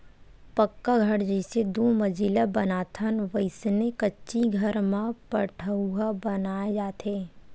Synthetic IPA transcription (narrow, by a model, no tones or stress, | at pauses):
pəkːaɡʱɐɽd͡ʒəsed̪uːməd͡ʒilabənaːt̪ʰənʋəɪsnekətːʃiɡʱəɾmãpəʈʰəuɦabənaːed͡ʒaːt̪ʰeː